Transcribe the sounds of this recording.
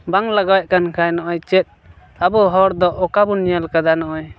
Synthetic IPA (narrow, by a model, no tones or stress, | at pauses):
baŋlaɡawɛʔ̚kankʰajnɔʔɔjt͡ʃɛt̪̚ | abɔɦɔɾd̪ɔʔɔkabɔnijalkad̪anɔʔɔj